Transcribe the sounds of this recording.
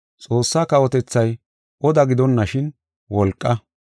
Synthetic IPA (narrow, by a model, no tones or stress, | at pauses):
t͡sʼo̞ːsːaːkɐwɔt̪ɛt͡sːɐj | ʔɔd̪ɐɡɪd̪ɔnːɐʃɪn | wɔlkʼːɐ